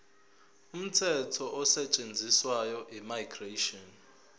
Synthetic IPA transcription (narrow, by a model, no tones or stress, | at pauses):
um̩tʰɛtʰɔʔɔsɛt͡ʃʼend͡zʱiswajɔʔimajɡreʃɔn